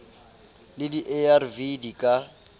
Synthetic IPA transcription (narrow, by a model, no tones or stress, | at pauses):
lɪdiʔɛarvidikʼa